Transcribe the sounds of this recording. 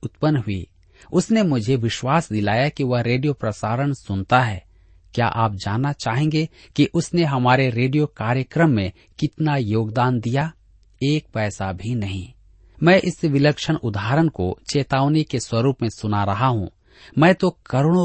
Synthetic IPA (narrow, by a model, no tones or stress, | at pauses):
ʊt̪pənːɦʊḭː | ʊsnemʊd͡ʒʱeʋɪʃwaːsd̪ɪlaːjakiʋɐɦɾeːɖijopɾɐsaːɾəɽ̃sʊnt̪aɦɛ̰ː | kja̰ːʔaːp̚d͡ʒaːnːat͡ʃaːɦẽːŋɡe | kiʔʊsneɦɐmaːɾeɾeːɖijokaːɾjəkɾəmːẽ | kɪt̪najoːɡd̪aːnd̪ija | eːk̚pɛːsabʱinɐɦḭ̃ː | mɛ̃ːʔɪsʋɪləkʃənʊd̪ʱaːɾəɽ̃kot͡ʃeːt̪aːʋnikeswɐɾuːpmẽsʊnaɾɐɦaɦṵ̃ | mɛ̃ːt̪okɐɾoɽ̃o